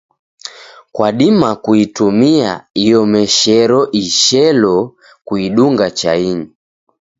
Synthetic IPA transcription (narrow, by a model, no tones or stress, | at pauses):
kwaɗimakuitumia̰ijɔmɛʃɛɾɔʔiʃɛlɔ | kuiɗuŋɡat͡ʃaini